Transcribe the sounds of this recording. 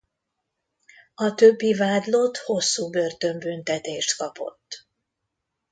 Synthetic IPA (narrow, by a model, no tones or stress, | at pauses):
ɒt̪øbːivaːd̪lo̞t̪ho̞sːuːbø̞rt̪ø̞mbynt̪ɛt̪eːʃt̪kɒpo̞̰t̪ː